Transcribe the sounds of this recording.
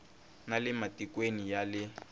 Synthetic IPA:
nalɪmatikwenijalɪ

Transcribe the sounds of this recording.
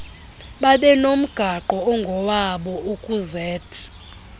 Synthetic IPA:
ɓaɓɛnom̩ɡ̥ʱaǃɔɔŋɡʱɔwaɓɔʔukʼuzɛːtʰi̥

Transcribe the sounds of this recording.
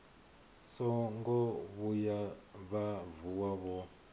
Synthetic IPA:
sɔŋɡɔβujaβavuwaβɔ

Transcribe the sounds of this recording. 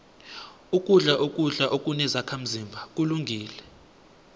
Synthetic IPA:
ukʼuɮaʔokʼuɮaʔokʼunɛzakʰam̩zimbʱak̬ʼuluŋɡʱiːlɛ

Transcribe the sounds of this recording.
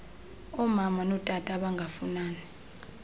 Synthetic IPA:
ɔmamanɔtʼatʼaɓaŋɡʱafunaːnɛ

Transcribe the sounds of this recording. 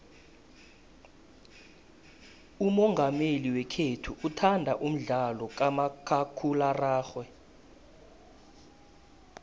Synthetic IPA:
umɔŋɡʱameliwɛkʰetʰuʔutʰandʱaʔum̩ɮalɔk̬amakʰakʰularaːxwɛ

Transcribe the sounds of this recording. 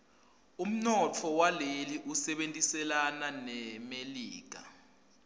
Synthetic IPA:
um̩nɔt͡fʰɔwaleliʔusɛɓentʼisɛlananɛmeliːk̬a̰

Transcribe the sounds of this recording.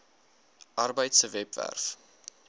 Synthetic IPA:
ʔɐrbəjtsəvɛpvæ̰rf

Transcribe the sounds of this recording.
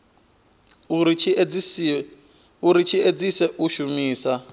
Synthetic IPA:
uɾit͡ʃʰied͡zisɛʔuʃumiːsa

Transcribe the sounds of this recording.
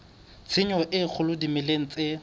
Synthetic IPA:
t͡sʰɪɲɔʔɪk͡xʰʊlʊdimɪleŋ̩t͡sʼɪ

